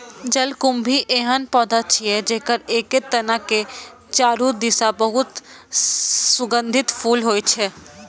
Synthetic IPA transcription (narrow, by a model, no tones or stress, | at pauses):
d͡ʒəlkumbʱiʔeɦənpɔd̪at͡ʃʰijɛd͡ʒeːkəɾeːket̪ːənake | t͡ʃaːɾud̪isabəɦʊt̪ | sʊɡənd̪ʱɪt̪pʰuːlɦoːjt͡ʃʰɛ